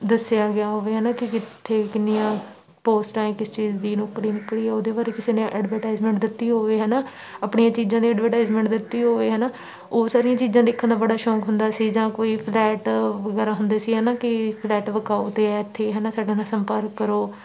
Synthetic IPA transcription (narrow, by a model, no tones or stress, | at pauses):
d̪əsɪjaːɡɪaːɦoːʋeːɦɛːnaːkɪkɪtt̪ʰːeːkɪnːɪjãː | poːsʈãːẽːkɪst͡ʃiːzd̪iːnokɾiːnɪkliːɦɛːoːd̪eːbaːɾeːkɪseːnẽʔɛːɖʋəɾʈaːizmɛ̃ːɳʈ̚d̪ɪt̪ːiːɦoːʋeːɦɛːnaː | aːpɳijãːt͡ʃiːzãːd̪iːɛːɖʋəɾʈaːɪzmɛ̃ːɳʈd̪ɪt̪ːiːɦoːʋeːɦɛːnaː | oːsaːɾijãːt͡ʃiːzãːd̪eːkʰːə̃nd̪aːbəɽaːʃɔːkɦʊnd̪aːsiːd͡ʒãːkoːiːpʰlɛːʈʋəɡɛːɾaːɦʊnd̪eːsiːɦɛːnaːkɪpʰlɛːʈʋəkaːoːt̪eːɛːɪt̪ʰːeːɦɛːnaːsaːɖeːnãːsəmpəɾkːəɾoː